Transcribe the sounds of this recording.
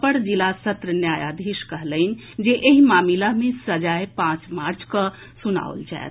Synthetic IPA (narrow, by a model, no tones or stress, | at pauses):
pəɽd͡ʒilasət̪ɾənjajad̪ʱiskəɦlən̆ | d͡ʒeʔeɦimamilaɦmesəd͡ʒajpãt͡ʃmaɾt͡ʃʰkə | suna̰ṵlt͡ʃa̰et̪ʰ